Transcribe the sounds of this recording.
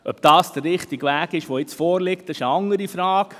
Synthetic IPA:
œb̚d̥ɑːsd̪̥ərːɪχtiɡʋæːɡɪʃʋoɪt͡sfɔːɾlɪk̚tɑɪʃəɑŋəɾifɾɑːk

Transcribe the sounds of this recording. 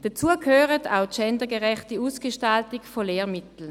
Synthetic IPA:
d̥at͡suːəkʰhøːʁətʰa̰ʊtʃɛndəɡəʁɛχtiuːsɡ̥əʃtaltɪkfoleːʁmɪtl̩

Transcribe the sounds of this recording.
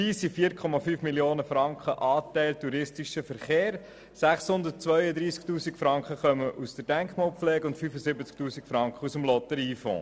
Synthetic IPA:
iːsifiːəɾkʰɔmɑfyːfmiljoːnəfɾɑŋkχəʔɑːtæɪltuɾɪstiʃəfəɾχeːɾ | sæχshʊnd̪ət̚t͡sʋœʏəd̪ɾiːsk̚tuːsikfɾɑŋkχəχœməʔusd̥əɾd̥æŋkχmɑːlˠpflɛːɡʊntfyːfəsɪbət͡sktuːsikfɾɑŋkχəusəmlɔt̪əɾiːfɔ̰̃ː

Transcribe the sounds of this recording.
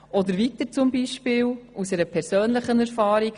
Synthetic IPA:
ʔɔd̪əɾvit̪əɾt͡sumbiʃpɪːlusɛɾəpʰɛɾsøːnləχənɛɾfɑːɾiɡ

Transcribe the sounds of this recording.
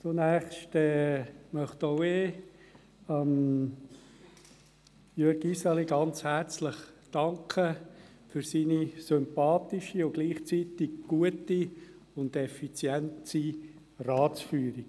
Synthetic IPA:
t͡sunæːχʃtɛmœχtowe | am | jøɾɡisaliɡ̥ɑnt͡shæɾt͡slɪχd̥ɑŋkʰə | fyɾsiːnisʏmpɑːtiʃiʊɡ̥liːχt͡siːt̪iɡɡ̥uəti | ʊndɛfit͡sjɛnti | rɑːt͡sfyːɾiɡ̥

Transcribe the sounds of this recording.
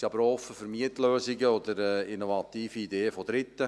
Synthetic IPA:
siɑbəɾɔfːəfəɾmiətløːziɡəɔd̪əɾɛinovɑt̪iːfiːdeːəfod̪ɾɪt̪ːə

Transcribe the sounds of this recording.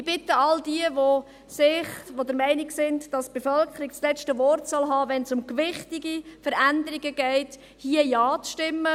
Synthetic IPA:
ɪb̥ɪtəɑldiəʋo | sɪχʋodəɾmɛɪnɪksɪntd̥ɑsb̥efœlkʰχəɾiɡt͡slɛt͡ʃtəʋɔrtsɔlɦɑːʋɛnsʊmkʋɪχtɪɡifəɾændəɾiɡəɡ̥ɛɪt | hiəjɑɑːt͡sʃtɪmːə

